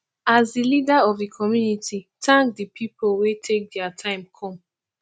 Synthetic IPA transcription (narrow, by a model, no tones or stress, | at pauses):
azdilidaɔvdikʰɔmjunitʰitʰãŋk̚dipʰipowetʰek̚dɛatʰãɪ̃mkʰɔ̃m